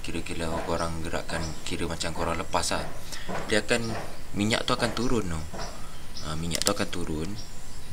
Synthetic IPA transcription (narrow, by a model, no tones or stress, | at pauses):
kiɾəkiɾakoɾaŋɡəɾa̰ʔkankiɾəmat͡ʃamkoɾaŋləpasahdiakanmiɲa̰ʔt̪uakant̪uɾʊnːʊ | əmiɲa̰ʔt̪uakant̪uɾʊn